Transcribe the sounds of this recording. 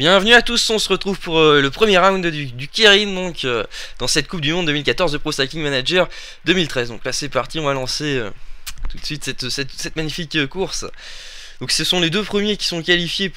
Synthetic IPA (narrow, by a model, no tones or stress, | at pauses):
bjɛ̃vnyat̪usɔ̃səʁət̪χuvpuʁləpχəmjeʁaw̃d̪d̪yd̪ykʲeʁind̪ɔ̃kød̪̥ɑ̃sɛt̪̚kup̚d̪ymɔ̃d̪əmilkat̪ɔʁzd̪əpχost̪ak̪ʲiŋmanaʒɛʁ | d̪əmilt̪χɛzd̪ɔ̃klasɛpaʁt̪iɔ̃valɑ̃seø̰t̪u̥t̪sɥit̪sɛt̪sɛt̪sɛt̪maɲifikkuʁs | d̪ɔ̃ksəsɔ̃led̪øpχəmjekʲi̥sɔ̃kʲalifje